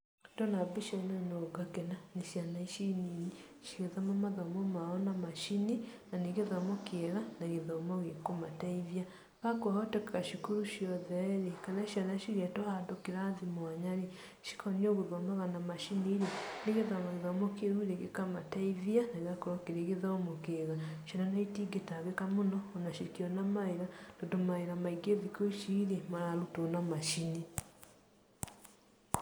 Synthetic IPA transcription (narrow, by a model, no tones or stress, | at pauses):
dɔnabiʃɔnanoɡakɛnaneʃianaiʃinii | ʃiɣeðamɔmaðamɔmaɔnamaʃininaneɣeðamɔkeɛɾanaɣeðɔmɔɣekomataivia | ɣakwahɔtɛkkaʃikuɾuʃiɔðɛɾekanaiʃianaʃiɣɛtɔhadokeɾaðimwaɲaɾe | ʃi̥kɔniɔɣoɾwamaɣanamaʃiniːɾeneɣeðamaɣeðamokeɾuiɾeɣekamataiðianaiɣakoɾɔkeɾeɣeðamokeɣaʃananaitiɡetaɣekamonɔːnaʃekiɔnamaeɾandodomaeɾamaiɡeðikoiʃiɾemaɾaɾutonamaʃine